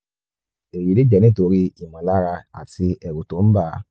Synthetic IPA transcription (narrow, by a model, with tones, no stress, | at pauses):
e˨ji˨˦le˦d͡ʒɛ˨nĩ˦˨to˧˦ɾi˧i˨mã˨la˦ɾa˧a̰˨ti˧ɛ˨ɾu˨to˨˦m̩˦ba˦˨˦